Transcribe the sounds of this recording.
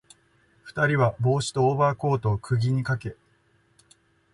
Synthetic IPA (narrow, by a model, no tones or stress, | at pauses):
ɸɯ̥t̪aɾʲiβabo̞ːɕi̥t̪o̞ːbaːko̞ːt̪o̞ːkʰɯ̟ɡʲiɲ̟ikake̞